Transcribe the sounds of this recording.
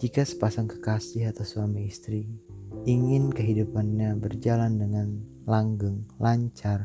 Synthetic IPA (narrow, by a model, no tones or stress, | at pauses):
d͡ʒikasə̥pasaŋkə̥kasɪɦat̪awswamiːst̪ɾiiŋɪnkəɦidupanɲabərd͡ʒalandəŋan | laŋɡʊŋlaɲt͡ʃar